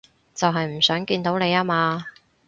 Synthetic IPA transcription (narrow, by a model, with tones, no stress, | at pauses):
t͡sɐ˨wɦɐ˨jm̩˨˩sœː˨˥ŋkiː˧nt̪o˨˥wne˨˧jaː˥maː˧